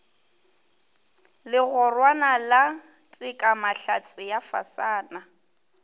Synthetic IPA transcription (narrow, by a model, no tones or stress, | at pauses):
lɪɣʊrwanala | tʼikʼamaɬat͡sʼɪjafa̰saːna